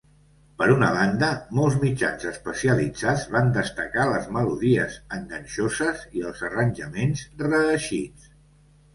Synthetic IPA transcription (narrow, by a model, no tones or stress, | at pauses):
pəɾunəβ̞and̪əmɔlˠzmid͡ʒa̰nzəspəsiəlid͡zad͡zβand̪əst̪əkaləzməluðiəzəŋɡənʲʃozəziəlˠzərənʲʒəmenzrəəʃit͡s